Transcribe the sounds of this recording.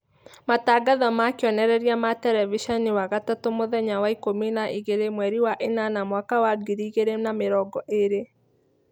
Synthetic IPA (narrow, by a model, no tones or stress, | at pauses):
mataːɡaðɔmakeɔnɛɾɛɾiamatɛɾɛviʃɔniwaɣatatomoðɛɲawaikominaʔiɣeɾemwɛɾiwaʔenanamwakawaɡiɾiːɣeɾenameɾɔɡɔʔeɾe